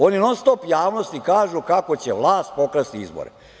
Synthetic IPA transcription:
oninost̪opjaːʋno̞st̪ikaːʒukako̞t͡ɕeʋlˠaːst̪̚po̞kɾest̪iizbo̰ɾḛ

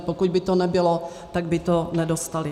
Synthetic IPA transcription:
pokuɟbɪt̪onɛbɪlo | t̪aɡbɪt̪onɛdost̪alɪ

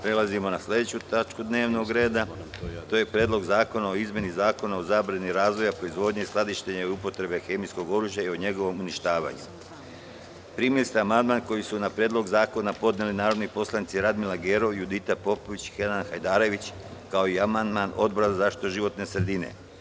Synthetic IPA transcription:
pɾe̞lazimo̞naslʎʲe̞d̪et͡ɕut̪at͡ʃkud̪ne̞ːʋno̞ɡɾe̞ːd̪a | t̪oje̞pɾeːd̪lˠo̞ɡzaːko̞nao̞izme̞nizaːko̞nao̞zabɾaniɾaːzʋo̞japɾoizʋo̞ːd̪ɲiislˠad̪iʃt̪eɲeupo̞t̪ɾe̞be̞xe̞misko̞ɡo̞ɾuːʒjaioɲe̞ɡo̞ʋo̞muniʃt̪aːʋa̰ɲu | pɾimilist̪aamand̪maːnko̞jisunapɾjed̪lˠo̞ɡzaːko̞napo̞d̪ne̞linaːɾo̞d̪nipo̞slˠanit̪siɾad̪milaɡe̞ɾo̞jud̪it̪apo̞po̞ʋit͡ɕi̥xenanxajd̪aːɾe̞ʋit͡ɕ | kao̞iamand̪mano̞d̪boɾazazaːʃi̥t̪oʒiʋo̞t̪ne̞sɾe̞d̪ine̞̰

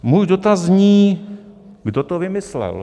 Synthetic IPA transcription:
muːjdot̪azɲiː | ɡdot̪ovɪmɪslɛ̰l

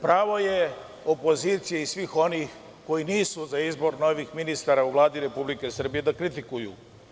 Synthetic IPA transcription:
pɾaːʋo̞je̞ | o̞po̞ziːt̪sijeisʋixo̞nix | ko̞iniːsuzaizbo̞ɾno̞ʋixminist̪aːɾauʋlˠaːd̪iɾe̞publike̞sr̩bije̞d̪akɾit̪ikujṵ

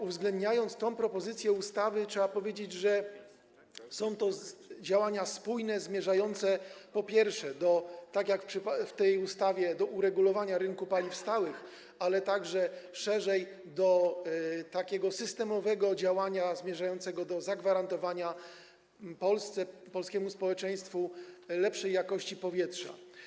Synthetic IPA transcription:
uvzɡlɛnd̪ɲajɔnt̪st̪ɔ̃w̃pɾɔpɔzɘt̪sʲjɛust̪avɘtʂɛbapɔvʲjed͡ʑed͡ʑʐɛ | sɔ̃w̃t̪ɔd͡ʑawaɲaspujnɛzmʲjɛʐajɔnt̪sɛpɔpʲjɛɾfʂɛd̪ɔt̪akjakfpʂɘpft̪ɛjust̪avʲjɛd̪ɔʔuɾɛɡulɔvaɲaɾɘŋkupalʲifst̪awɘx | alɛt̪aɡʐɛʂɛʐɛj | d̪ɔ | t̪akʲɛɡɔsɘst̪ɛmɔvɛɡɔd͡ʑawaɲazmʲjɛʐajɔnt̪sɛɡɔd̪ɔzaɡvaɾant̪ɔvaɲa | pɔlst̪sɛpɔlskʲɛmuspɔwɛt͡ʂɛj̃st̪fulɛpʂɛjːakɔɕt͡ɕipɔvʲjɛtʂa̰

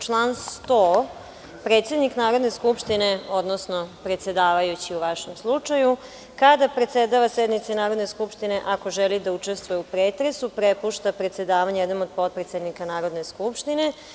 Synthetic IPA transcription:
t͡ʃlˠaːnst̪oː | pɾet̪se̞d̪niknaːɾo̞d̪neskupʃt̪ineo̞d̪nosno̞pɾet̪se̞d̪aːʋajut͡ɕiuʋaʃemslˠut͡ʂaju | kad̪apɾet̪sed̪aʋasjed̪nit̪sinaːɾo̞d̪neskupʃt̪ineʔako̞ʒelid̪aut͡ʂest̪ʋojeupɾeːt̪ɾesupɾepuʃt̪apɾe̞t̪se̞d̪aːʋaɲjed̪omod̪̚po̞t̪̚pɾet̪sed̪nikanaːɾo̞d̪neskupʃt̪ine̞

